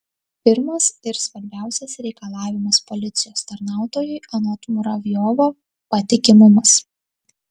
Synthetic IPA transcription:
pʲɪɾmɐsɪɾsʋɐɾʲbʲæˑʊsʲɛsɾʲɛɪkɐlˠɑːʋʲɪmɐspɔlʲɪt̪sʲɪjoːst̪ɐɾnɑˑʊt̪oːjʊjɪʔɐnoːt̪mʊɾɐʋʲjɔʋo | pɐt̪ʲɪkʲɪmʊmɐs

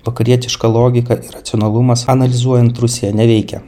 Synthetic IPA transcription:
ʋɐkɐɾʲiɛt̪ʲɪʃkɐlˠoːɡʲɪkɐʔɪɾɐt̪sʲoːnɐlˠʊmɐsɐnɐlʲɪzuɔjɛnt̪ɾʊsʲejɛnʲɛʋʲɛɪkʲɛ̰

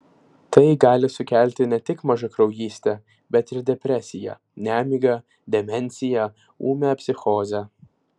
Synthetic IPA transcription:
t̪ɐɪɡɑːlʲɪsʊkʲæˑlʲt̪ʲɪnʲɛt̪ʲɪkmɐʒɐkɾɐʊjiːsʲt̪ʲɛ | bʲɛt̪ɪɾd̪ʲɛpʲɾʲɛsʲɪjɛ̰ | nʲæːmʲiɡɐ | d̪ʲɛmʲɛnʲsʲɪjɛ | ṵːmʲɛpʲsʲɪxoːzʲɛ

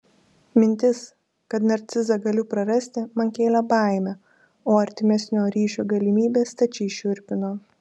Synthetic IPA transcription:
mʲɪnʲt̪ʲɪs | kɐt̪nɐɾʲt̪sʲɪzɐɡɐlʲʊpɾɐɾɐsʲt̪ʲɪmɐnkʲeːlʲɛbɐˑɪmʲɛ | oːɐɾʲt̪ʲɪmʲɛsʲnʲoːɾʲiːʃʲoːɡɐlʲɪmʲiːbʲeːst̪ɐt͡ʃʲɛɪʃʲʊɾʲpʲɪnoː

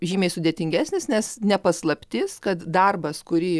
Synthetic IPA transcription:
ʒʲiːmʲeɪsʊd̪ʲeːt̪ʲɪŋʲɡʲæːsʲnʲɪsnʲɛsnʲɛpɐslˠɐpʲt̪ʲɪskɐt̪d̪ɐrbɐskʊɾʲiː

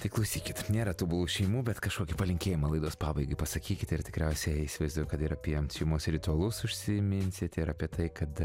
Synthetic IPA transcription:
t̪ɐɪklˠɐʊsʲiːkʲɪt̪nʲeːɾɐt̪uːbʊlˠuːʃʲɛɪmuːbʲɛt̪kɐʃkoːkʲɪpɐlʲɪŋʲkʲeːjɪmɐlˠɐɪd̪oːspɑːbɐɪɡɐɪpɐsɐkʲiːkʲɪt̪ɪrt̪ʲɪkɾʲɛʊsʲɛɪɪsʲɪʋɐɪzd̪ʊjkɐt̪ɪɾɐpʲiɛɐmʲsʲɪmoːsɾʲɪt̪ʊɐlˠʊsʊʃʲsʲɪmʲɪnʲsʲɪt̪ʲɪɾɐpʲiɛt̪ɐɪkɐt̪

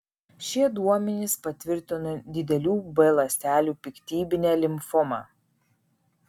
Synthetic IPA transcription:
ʃʲiɛd̪uɔmʲɛnʲɪspɐt̪ʲʋʲɪɾʲt̪ʲɪnɐd̪ʲɪd̪ʲɛlʲuːbɛlˠɐsʲt̪ʲæːlʲuːpʲɪkt̪ʲiːbʲɪnʲɛːlʲɪmfʊmɑ̰ː

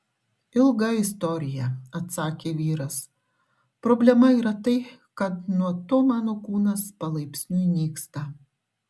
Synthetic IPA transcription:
ɪlˠɡɐɪst̪ɔɾʲɪjɛɐt̪sɑːkʲeːʋʲiːɾɐs | pɾɔːbʲlʲɛmɐiːɾɐt̪ɐɪ | kɐt̪nuɔt̪oːmɑːnoːkuːnɐspɐlˠɐɪpʲsʲnʲunʲiːkst̪ɐ

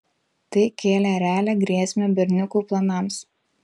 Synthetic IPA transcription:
t̪ɐɪkʲeːlʲɛɾʲæːlʲɛːɡɾʲiɛsʲmʲɛːbʲɛɾʲnʲʊkuːplˠɐnɑms

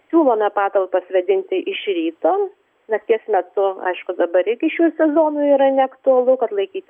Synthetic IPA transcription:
sʲuːlˠoːmʲɛpɑːt̪ɐlˠpɐsʲʋʲɐd̪ʲɪnʲt̪ʲɪʔɪʃɾʲiːt̪oː | nɐk̪ʲiɛsmʲɛt̪ʊɐ̰ɪʃkʊd̪ɐbɐɾɪɾʲɡʲɪʃʲuːsʲɛzoːnʊiːɾɐnʲɛɐkt̪ʊɐlˠʊkɐt̪lˠɐɪkʲiːt̪ʲɪ

